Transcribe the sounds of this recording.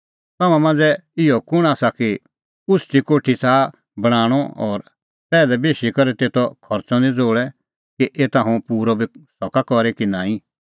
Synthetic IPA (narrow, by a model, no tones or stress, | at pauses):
t̪aːmãmãːnd͡zɛɪjɔkʊɽ̃aːsaki | ʊst̪ikoːʈʰisaː | bɐɽ̃aːɽ̃ɔɔːɾ | pɛːlɛbeːʃikɔɾɛt̪eːt̪ʰɔkʰɔɾt͡sɔnĩd͡zoːɭɛ | kiʔeːt̪ãːɦũpuːɾɔbʱisɔkakɔɾɛkinãːĩ